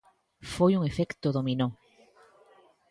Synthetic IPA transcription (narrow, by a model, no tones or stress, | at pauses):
fojuŋefekt̪oðomino